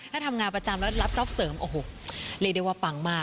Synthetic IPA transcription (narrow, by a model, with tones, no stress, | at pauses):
t̪ʰaː˥˩t̪ʰa˧mŋaː˧npɾa˧t͡ɕa˧mlɛ˦˥la˦˥p̚t͡ɕɔ˦˥p̚sɤː˨˩˦mʔoː˨ɦoː˨˩˦li˧˩daː˧˩jwaː˧˩pa˨˩ŋmaː˥˩